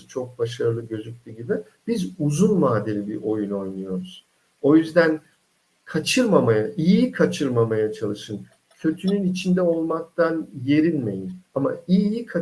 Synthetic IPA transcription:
t͡ʃʰo̞k̚baʃ̬aɾɯlˠɯɟø̞zyc̚ʲlʲiɟibi | b̥izuzunmaːd̪elʲibiʔo̞juno̞jnujo̞ɾuz̥ | o̞jyzd̪æn | kʰat͡ʃʰɯɾmamajaʔijjikʰat͡ʃʰɯɾmamajat͡ʃʰalˠɯʃɯn | cʰø̞t̪ʰynynit͡ʃʰind̪ɛo̞lˠmak̚t̪ʰanje̞ɾilʲme̞̰jizama̰ijjikʰa

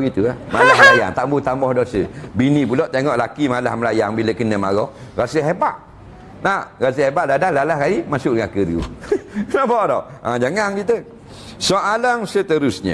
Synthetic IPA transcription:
ɡit̪uahmalahmlaja̰ŋt̪aʔmbut̪ambɔhdɔsəbinipulɔʔt̪eŋɔʔlakimalahməlajaŋbiləkənəma̰ɣɔhɣasəɦebaʔ | naʔɣasəhebaʔdadalalahkaimasʊʔ̚dəŋakəɾiṵnaʔbaʔdɔʔad͡ʒaŋaŋkit̪̬ə | soʔalaŋsət̪əɾʊsɲə̰

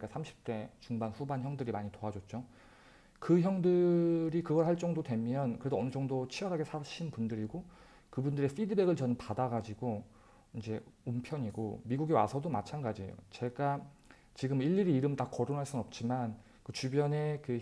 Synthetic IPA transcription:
ik͈asʰamɕʰi̥p̚t͈e̞t͡ɕuŋbanɸubançjʌŋdɯɾimaɲitoad͡ʑot̚t͡ɕ͈o | kɯçjʌŋdɯɾikɯɡʌɭhaɭt͡ɕ͈ʌŋdodwe̞mjʌnkɯɾe̞doʌnɯd͡ʑʌŋdot͡ɕʰiwʌɾɦaɡe̞sʰaɕʰinpundɯɾiɡo | kɯbundɯɾe̞p͈ʰidɯbeɡɯɭt͡ɕʌnpadaɡad͡ʑiɡo | ind͡ʑe̞ompʰjʌɲiɡo̰miɡuɡewa̰sʰʌdomat͡ɕʰanɡad͡ʑijo̰t͡ɕe̞ɡa | t͡ɕiɡɯmiʎːiɾiːɾɯmtakʌɾonɦaɭs͈unɯnʌp̚t͡ɕ͈iman | kɯt͡ɕubjʌne̞kɯ

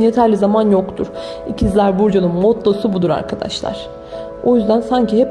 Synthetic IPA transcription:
je̞t̪ʰæɾlʲizamanjo̞kt̪ʰuɾ̥ | icʰizlʲæɾbuɾd͡ʒanˠɯmːot̪lˠasubud̪uɾa̰ɾkʰad̪a̰ʃlˠa̰ɾ̥ | o̞jyzd̪ænsaɲciɦɛp

